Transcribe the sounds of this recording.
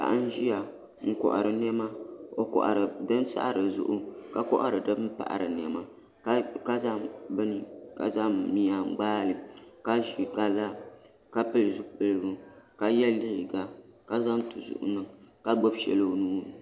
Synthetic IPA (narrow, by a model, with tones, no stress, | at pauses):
ka̰˨ʔa˦n˦ʒi˦ja˨ | ŋ̩˨kɔ̰˨ʔa̰˨ɾɨ˨nɛ˦ma˦o˨kɔ̰˨ʔa̰˨ɾɨ˨dɨ˦n˦sa̰˦ʔa˦ɾɨ˨zʊ̰˦ʔʊ˦ka˨kɔ̰˦ʔa˦ɾɨ˨dɨ˦bɨ˦m̩˦pa̰˨ʔɾɨ̰˨nɛ˨ma˦ | ka˦za˦bɨ˦n˨ka̰˨za˦mi˨ja˨ɡ͡baː˦lɨ˨ka˦i˨ɡa˨la˦ | ka˦pɨ˦lɨ˨zu˦pɨ˦lɨ˦bɨ˦ka˨jɛ˦lːi˦hɪ˨ɡa˨ka˦za˦n˦tu˨zʊ̰˨ʔʊ̰˦nɨ˨mka˦ɡ͡bo˦bʃɛ̰˨lo˦˨nuː˦˨nɨ˨